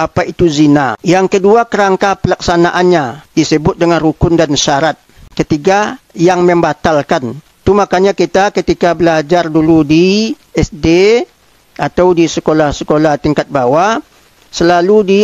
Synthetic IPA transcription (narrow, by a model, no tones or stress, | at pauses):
apait̪uzinajaŋkəduakəɾaŋkapəlaksanaʔanɲadisəbʊt̪̚dəŋanrukʊndanʃaɾat̪̚kət̪iɡajaŋməmbat̪alkan | t̪umakaɲakit̪akət̪ikabəlad͡ʒarduludiɛsde | at̪awdisəkolahsəkolaht̪iŋkat̪̚bawa | səlaludi